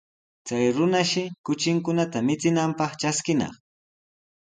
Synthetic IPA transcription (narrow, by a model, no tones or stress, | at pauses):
t͡sajɾʊnaʃɪkʊt͡ʃɪŋkʊnat̪amɪt͡sɪnampɑχt͡ʃaskɪnɑ̰χ